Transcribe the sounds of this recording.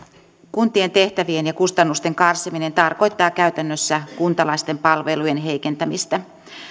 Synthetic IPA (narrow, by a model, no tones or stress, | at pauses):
kunt̪ie̞nt̪e̞ht̪æʋie̞njɑkust̪ɑnːust̪e̞ŋkɑrsimine̞nt̪ɑrko̞jt̪ːɑːkæɥt̪ænːøsːækunt̪ɑlɑjst̪e̞mpɑlʋe̞luje̞nɦe̞jke̞nt̪æmist̪æ